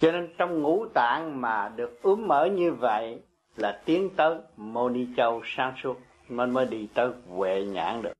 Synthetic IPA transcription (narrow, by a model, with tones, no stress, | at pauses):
t͡ɕɔ˧ne˧nt͡ɕɔ˧wŋ͡mŋṵ˧˥t̪a̰ː˧˨ŋmaː˨˩ɗɨ˨˩ək̚ʔɨ˨˦əŋməː˧˩ɲɨ˧və̰˧˨j | laː˨˩t̪i˨˦əŋt̪əː˨˦jmo˧ni˧t͡ɕə˧wsaː˧˥ŋsu˦˥ət̚ | nə˧nməː˨˦jɗi˧t̪əː˨˦jvwḛ˧˨ɲa̰ː˧˥ŋɗɨ˨˩ək̚